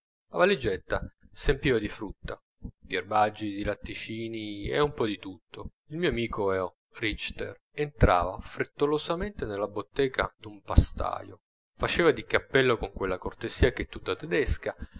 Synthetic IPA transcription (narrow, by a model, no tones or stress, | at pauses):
avalːid͡ʒɛt̪ːasempiːvad̪ifɾut̪ːa | d̪iarbad͡ʒːid̪ilat̪ːit͡ʃiːniɛ̰umpɔd̪it̪ut̪ːo | ilmioamiːkoɛo | rit͡ʃt̪ḛr | ent̪ɾa̰ːvafɾet̪ːolozament̪enelːabot̪ːɛːka̰d̪umpast̪a̰ːjo̰ | fat͡ʃeːvad̪ikapːɛlːokoŋkwelːakort̪ez̥iːak̟et̪ːut̪ːat̪ɛd̪eska